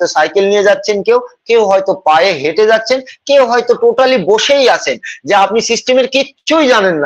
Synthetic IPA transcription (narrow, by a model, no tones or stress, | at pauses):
t̪osajkelnijed͡ʑatːɕʰenkewkewɦɔjt̪opajeɦeʈed͡ʑatːɕʰenkewɦɔet̪oʈoʈaliboʃejat͡ɕʰend͡ʑeapnisisʈemeɾkiɕʰujd͡ʑanenːa